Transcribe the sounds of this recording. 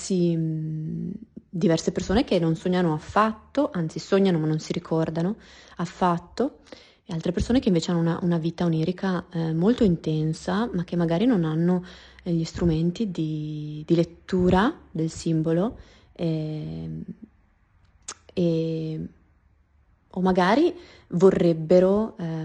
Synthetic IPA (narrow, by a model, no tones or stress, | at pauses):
si | d̪ivɛrsepersoːnek̟enːonsoɲːanoafːat̪ːoʔant̪sisoɲːanomanːonsiɾikʰɔrd̪anoafːat̪ːo | alt̪ɾepersoːnekeiɱveːt͡ʃeanːouna̰ʔunaviːt̪auniːɾikʰamolt̪oint̪ɛnsamak̟ːemːaɡaːɾinonanːoʎist̪ɾument̪id̪id̪ilet̪ːuːɾad̪elsimbolo | ɛ | e | omːaɡaːɾi | vorːebːeɾo